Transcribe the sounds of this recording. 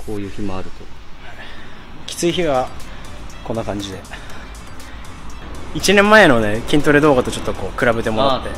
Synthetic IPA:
kʰoːjɯ̟ːçimoaɾɯ̟t̪oha | kʲi̥t͡sɨiçiβa | ko̞nːakãɲ̟d͡ʑid̪e̞ | it͡ɕinẽ̞mːaeno̞ne̞kʲĩnt̪o̞ɾed̪o̞ːɡat̪o̞t͡ɕo̞t̪ːo̞ko̞ːkɯɾabe̞t̪e̞mo̞ɾat̪ːe̞

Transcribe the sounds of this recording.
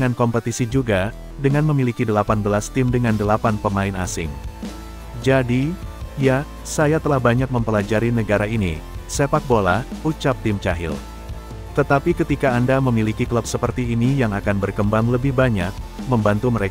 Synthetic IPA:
ŋankɔmpət̪isid͡ʒuɡa | dəŋanməmilikidəlapanbəlast̪ɪmdəŋandəlapanpəmaɪna̰sɪŋ | d͡ʒadija | sajat̪əlahbaɲak̚məmpəlad͡ʒaɾinəɡaɾainḭsepak̚bola̰hut͡ʃap̚t̪ɪmt͡ʃaɦɪ̰l | t̪ət̪apikət̪ikaːndaməmilikikələp̚səpərt̪iːnijaŋakanbərkəmbaŋləbɪhbaɲa̰k̚məmbant̪uməɾe

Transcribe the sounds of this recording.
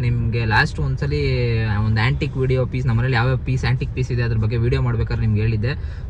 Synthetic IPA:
nimɡe̞laːsʈʋɐnsɐlːiond̪uaːɳʈikʋiːɽijoːpiːsnɐmːɐnɐlijaːʋepiːsaːɳʈik̚piːsid̪eɐd̪ɐɾɐbɐɡːe̞ʋiːɽijomaːɽbeːkaːd̪ɾenimɐɡɦeːɭid̪ːe̞

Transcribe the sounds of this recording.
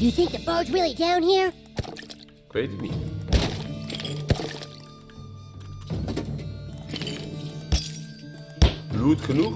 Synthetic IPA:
ɨjɨθɪ̃ŋk̚ðɨt̚b̥oɹdzɹɪlˠidãʊ̃nhiɹ | kʰwetmḭ | blutχənuk

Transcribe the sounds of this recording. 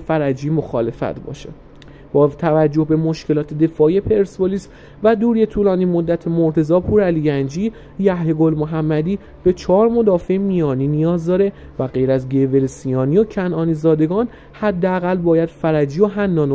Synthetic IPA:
fæɾæd͡ʒiːmo̞xɒ̰ːle̞fæ̰t̪ʰbɒ̰ːʃe | b̥ɒːt̪ʰævæd͡ʒːo̞hbe̞mo̞ʃcʰe̞lɒːt̪ʰe̞d̪e̞fɒːie̞pʰe̞ɾsboliːs | væd̪uːɾiet̪ʰuːlɒːniːmo̞d̪ːæt̪ʰemo̞ɾt̪ʰe̞zɒːpʰuːɾælijænd͡ʒiː | jæhheɡo̞lmoɦæmːæd̪iː | b̥e̞t͡ʃʰɒːɾmo̞d̪ɒːfemijɒːniːnijɒːzd̪ɒːɾe̞ | væɣe̞jɾæzɡeve̞lesiɒːniocʰænʔɒːniːzɒːd̪e̞ɡɒːn | hæd̪ːeæɣælːbɒːjæd̪̥fæɾæd͡ʒiːjoɦænːɒːno

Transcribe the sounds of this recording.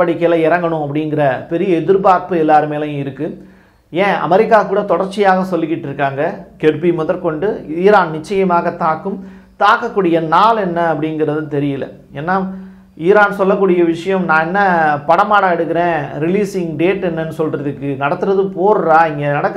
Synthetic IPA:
ɐɽikːeːlɐɪɾɐŋɡɐɳʊ̃ɐp̬ːɐɽɪnɡɪɾɐpɛɾɪjɐɛðɯɾbaːɾpɯɛlːaːɾɯmeːlɐ̃ɪɾɯkːɯ | ẽːɐ̰mɛɾɪkːaːkːuːɽɐt̪ɔɽɐɾt͡ʃːɪjaːɣɐsɔlːɪkːɪʈːɪɾɯkːaːŋɡɐkɛɾpimʊðɐɾkɔɳɖɯiːɾaːnnɪt͡ʃːɐjɐmaːɣɐt̪aːkːɯm | t̪aːkːɐkːuːɽɪjɐnaːlɛnːɐɐpːɐɽɪnɡɪɾɐðɯt̪ɛɾɪjɐlɐ̰ | eːnːaː | iːɾaːnsɔlːɐkːuːɽɪjɐʋɪʂɐjɐ̃mnãːɛnːɐpɐɽɐmaːɽaɛɽɯkːɪɾẽːɾɪliːsɪŋɡɖeːʈɛnːɐnːɯsɔlɾɐðɯkːɯnɐɽɐt̪ːɯɾɐðɯpoːɾɾaːɪŋɡenɐɽɐkː

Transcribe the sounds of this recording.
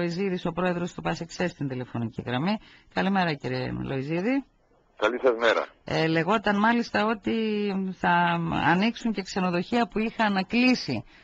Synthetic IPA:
oiziðiso̞pɾo̞e̞ðɾo̞st̪upɐsiksest̪ind̪ile̞fo̞nicḭɣɾɐmi | kɐlime̞ɾɐciɾḛlo̞iziði | kɐlisɐzmeɾɐ̰ele̞ɣo̞t̪ɐnmɐlist̪ɐo̞t̪iθɐ̰ːniksuɲce̞kse̞no̞ðo̞çiɐpuixɐnklisi

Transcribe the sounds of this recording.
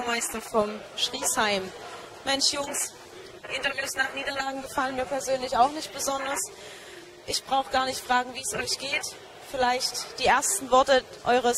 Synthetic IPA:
maɪstɐfɔm | ʃʁ̥iːshaɪm | mɛnʃjʊŋs | hɪntɐvjuːsnaːχniːdɐlaːɡŋ̩ɡəfalənmiːɐpʰɛɐzøːnlɪçaʊxnɪçt̚b̥əzɔndɐs | ʔɪçb̥ʁaʊxɡ̥aːɐnɪçtfʁ̥aːɡŋ̩viːsʔɔʏçɡ̥eːt | fɪlaɪçtd̥iːʔeːɐstn̩vɔɐtə | ʔɔʏʁəs

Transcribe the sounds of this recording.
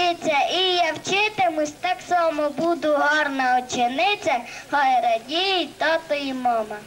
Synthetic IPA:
ɪt͡sʲːɐijawt͡ʃɪt̪ɪmʊsʲt̪ɑksɑmɔbud̪ʊɦɔɾnɐɔt͡ʃɪnɪt͡sʲɐhɔɾɐdʲijit̪ɔt̪ɔjimɔmɐ

